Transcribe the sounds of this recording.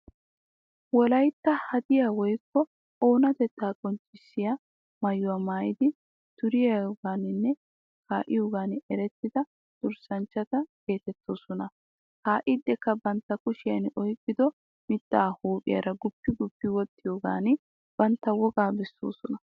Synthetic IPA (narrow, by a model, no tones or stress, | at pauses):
wɔlɐjt̪ːɐhɐd̪ɪjaːwɔjkːɔ | o̞ːnɐt̪ɛt̪ːaːkʼɔnt͡ʃʼːɪsːɪjɐ | mɐjʊwaːmaːjɪd̪ɪ | t̪ʊɾɪjɐɡaːnɪnːɛ | kaːʔɪ̰joːɡaːnɛɾɛt̪ːɪd̪ɐ | d̪̥ʊɾsɐnt͡ʃːɐt̪ɐke̞ːt̪ɛt̪ːoːsɔnɐ | kaːʔɪd̪ːɛkːɐbɐnt̪ːɐkʊʃɪjɐnɔjkʼːɪd̪ɔ | mɪt̪ʼːaːhuːpʼɪ̰jɐ̰ɾɐɡʊpːɪɡʊpːɪwɔt̪ːɪjoːɡa̰ːn | b̥ɐnt̪ːɐwɔɡaːbɛsːo̰ːsɔnɐ